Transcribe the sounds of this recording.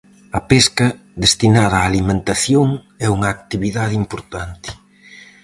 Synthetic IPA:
ɐpeskɐ | ðest̪inaðɐːlimẽnt̪aθjoŋ | ɛuŋɐːk̚t̪iβiðaðimpoɾt̪ant̪ɪ̥

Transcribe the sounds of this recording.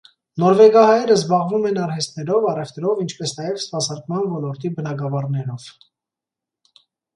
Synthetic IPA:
nɔɾvɛɡɑhɑjɛɾəzbɑʁvumɛnɑɾhɛst̪nɛɾɔvɑrɛvt̪ɛɾɔvint͡ʃʰpɛsnɑjɛvspɑsɑɾkmɑnvɔlɔɾt̪ibənɑɡɑvɑrnɛɾɔv̥

